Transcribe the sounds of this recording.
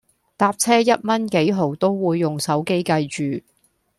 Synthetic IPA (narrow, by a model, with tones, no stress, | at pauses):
t̪aː˧p̚t͡sʰɛː˥jɐ˥t̚mɐ˥nke˨˥jɦo˨˩wt̪o˥wwuː˨˧jːʊ˨ŋsɐ˨˥wke˥jkɐ˧jt͡ʃyː˨˩